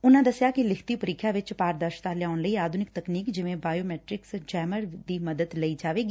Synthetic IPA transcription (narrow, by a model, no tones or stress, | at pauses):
ʊnãːd̪əsjaːkɪlɪkʰt̪ipəɾɪkʰːjaːʋɪt͡ʃpaːɾd̪əɾʃt̪aːlɪjaːʊnləiːaːd̪ʱʊnɪk̚t̪əkniːkd͡ʒɪʋẽːbaːjoːmɛːʈɾɪksd͡ʒɛːməɾd̪iːməd̪əd̪ləiːd͡ʒaːʋeːɡiː